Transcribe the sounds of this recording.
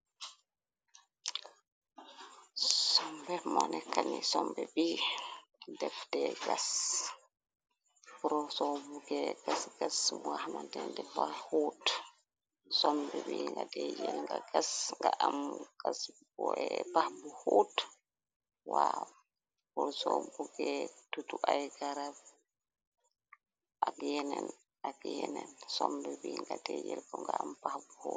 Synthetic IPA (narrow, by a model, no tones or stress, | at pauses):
sɔmbɛmɔnɛkːanisɔmbɛbi | dɛfdɛɡas | puɾɔsɔbuɡɛɡasɡasmwahmandɛndɛbahoːt | sɔmbɛbiŋɡadɛd͡ʒɛlŋɡaɡasŋɡaʔamɡasbɔɛpahbuhot | wa | bɔɾsɔbuɡɛtutuʔajɡaɾab | ʔaɡjɛnɛn | aɡjɛnɛnsɔmbɛbiŋɡatɛd͡ʒɛlɡɔŋɡaampahbuho